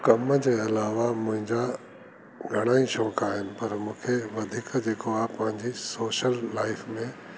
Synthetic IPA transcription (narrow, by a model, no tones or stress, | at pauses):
kɐməd͡ʑeːɐlaːʋamʊ̃ɦɪ̃ɲd͡ʑa | ɡʱɐɽ̃aːiʃɔːkaːɦɪnɪ̆pɐɾmũːkʰeʋɐd̪ʱiːkd͡ʑeːkoaːpɐ̃ɦɪ̃ɲd͡ʑisoːʃəlːaːɪfmẽ